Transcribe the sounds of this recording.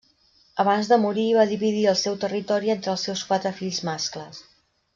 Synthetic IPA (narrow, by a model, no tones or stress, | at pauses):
əβanzðəmuɾiːβaðiβiðiəlˠsɛwt̪ərit̪ɔɾient̪ɾəlˠsewskwat̪ɾəfiʎzmaskləs